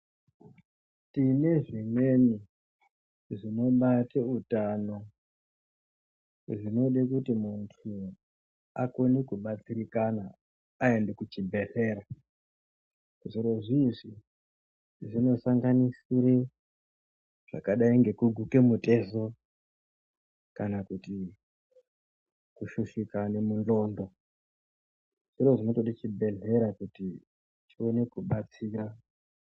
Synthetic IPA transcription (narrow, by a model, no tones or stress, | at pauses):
tine̞ʐine̞ni | ʐino̞ɓateutano̞ | ʐino̞ɗekutimuntʰu | ako̞nikuɓat͡sirikanaː | e̞ndekut͡ʃibʱe̞se̞ːɾa | ʐiɾo̞ʐiʐi | ʐino̞saŋɡanisiɾe | ʐ̥a̰kaɗaiŋɡe̞kuɡʱuke̞mute̞zo | kanakuti | kuʃuʃikane̞mundo̞ːndo̞ | ʐ̥iɾo̞ʐinotoɗit͡ʃibʱe̞ɮe̞ɾakuti | t͡ʃio̞ne̞kuɓat͡siːra